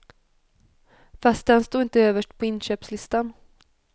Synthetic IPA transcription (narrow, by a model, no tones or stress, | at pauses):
fast̪̚d̪ɛnst̪uːɪnt̪əøːvəʂʈpʰɔɪnɕøːpslɪst̪an